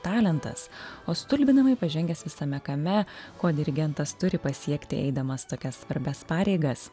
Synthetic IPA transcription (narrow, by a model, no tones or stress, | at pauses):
t̪ɑːlʲɛnt̪ɐ̰soːst̪ʊlʲbʲɪnɐmɐɪpɐʒʲɛŋʲɡʲɛsʋʲɪsɐmʲɛkɐmʲɛkoːd̪ʲɪɾʲɪɡʲɛnt̪ɐst̪ʊɾʲɪpɐsʲiɛkt̪ʲɪʔɛ̰ɪd̪ɐmɐst̪oːkʲɛssʋɐɾʲbʲɛspɑːɾʲɛɪɡɐs